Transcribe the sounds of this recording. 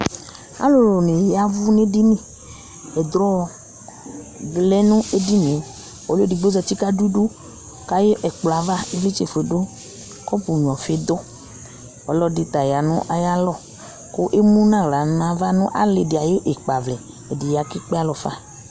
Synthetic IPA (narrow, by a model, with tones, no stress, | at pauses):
a̰˦lo˨lo˨ne˨ja˦vu˦ne˦di˦nĩ˦˨ | ɛ˨d̪ɾɔ˦˨ | lɛ˦nũ˦e˦di˦n˨ɛ̃˨ | ɔ˨li˨ɡ͡bo˦zɔ˧t͡ʃi˦ka˦du˦du˦ | ka˦je˦ʔɛ˨k͡pla˨va˦e˦ve˦t͡ʃe˨fe˨dʊ˦ | kɔ˦pu˨ɲ˨ɔ̃˨fe˦d̪ʊ˦ | ɔ˨lɔ˦di˨t̪a˨ja˨nʊ̰̃˦ʔa˦ja˦lɔ˦˨ | ko˦ʔe˦mũ˦nã˦˨ɾa˨ñ˦a˨va˦nʊ̃˦ʔa̰˦le˧di˨a˨je˦ʔe˨k͡pa˨vlɛ˨ | ɛ˨di˨ja˨ki˦k͡pe˦a˦lɔ˨fa̰˦˨